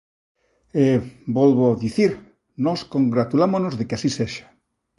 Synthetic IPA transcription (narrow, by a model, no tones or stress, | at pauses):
ebɔlβoaðiθiɾ | nɔskõŋɡɾat̪ulamonozðekeasiseʃḁ